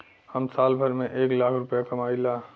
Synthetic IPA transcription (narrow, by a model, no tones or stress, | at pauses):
həmsaːlbʱəɾmẽʔeːklaːkʰɾʊpjakɐmaːilaː